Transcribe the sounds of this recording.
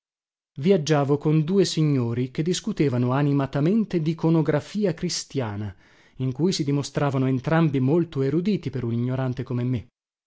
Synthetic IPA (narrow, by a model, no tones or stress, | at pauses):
viad͡ʒːaːvokond̪uːesiɲːoːɾik̟ed̪ːiskut̪eːvanoanimat̪ament̪ed̪ikonoɡɾafiːakɾist̪jaːna | iŋkuːjsid̪imost̪ɾaːvanoent̪ɾambimolt̪oeɾud̪iːt̪ipeɾuniɲːoɾant̪ekomemːe